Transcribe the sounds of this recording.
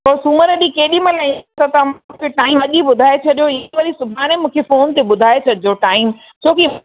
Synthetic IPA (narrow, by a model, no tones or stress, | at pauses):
pɐɾsuməɾəɗĩkeːɗimɐ̃lɐĩt̪ɐt̪ɐm̃kʰeʈaːɪmɐʄiɓʊd̪ʱaːet͡ɕʰɐɗijoɪʋɐɾisʊbʱaːɽ̃emũːkʰefoːnt̪eɓʊd̪ʱaːet͡ɕʰɐɗijoʈaːɪm | t͡ɕʰoːki